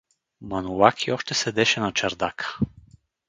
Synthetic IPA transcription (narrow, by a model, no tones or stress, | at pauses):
mɐnulakiɔʃt̪ɛsɛd̪ɛʃɛnɐt͡ʃɐɾd̪akə̥